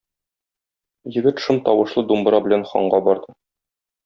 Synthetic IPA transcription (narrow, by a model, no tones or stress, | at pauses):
jɘ̆ɡɘt̪ʃɤmt̪ɒwɤ̆ʃlˠɤd̪umb̆ɾɑbɘ̆lænχɒ̰ɴɢɑbɒɾd̪ɤ